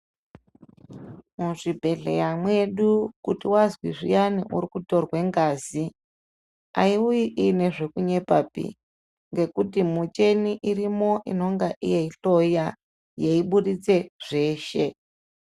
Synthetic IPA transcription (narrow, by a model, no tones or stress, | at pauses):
muʐibʱe̞ɮḛjamwe̞ɗukutiwazwiʐijaniʔuɾikuto̞rwe̞ŋɡaːzi | aiujiʔine̞ʐe̞kuɲe̞papḭ | ŋɡe̞kutimut͡ʃe̞niʔirimo̞ʔḭno̞ŋɡaʔḭjeiɬo̞ja | jeiɓuɗit͡se̞ʐ̥e̞ːʃe̞